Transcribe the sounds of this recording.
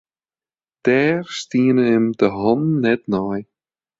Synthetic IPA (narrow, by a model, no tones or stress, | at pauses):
t̪ɛːɾ̥st̪iːnəɪmt̪ɪɦɔnːɛt̪naj